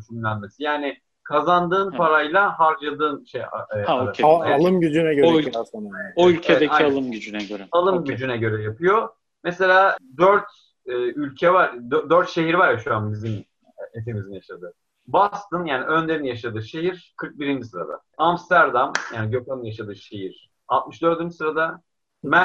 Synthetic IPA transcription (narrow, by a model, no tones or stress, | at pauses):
t͡ʃʰymlʲænme̞sijaːnɪ | kʰazand̪ɯːnpaɾajlˠaɦaɾd͡ʒad̪ɯːnʃḛja̰aɯalˠɯmɟyd͡ʒynɛɟøɛsanaoylʲcʰeeaalˠɯmyd͡ʒynɛøɾɛalˠɯmɟyd͡ʒynɛɟø̞ɾɛjapʰɯjo̞ | mɛse̞lʲaːd̪øɾt̪ | ɛːylʲcʰɛvaɾd̪d̪øɾt̪ʃe̞ɦiɾvaɾjaʃuanbizim | et̪ʰimizmjaʃad̪ɯ | bast̪ɯnjaːniʔønd̪enijaʃad̪ɯʃe̞ɦiɾ̥kʰɯɾk̚biɾind͡ʒisɯɾa̰d̪a̰ | amst̪æɾd̪amjaːniɟo̞kʰamjaʃad̪ɯʃe̞ɦiɾ̥ | alˠt̪̚mɯʃd̪ø̞ɾd̪ynd͡ʒisɯɾad̪a | mæ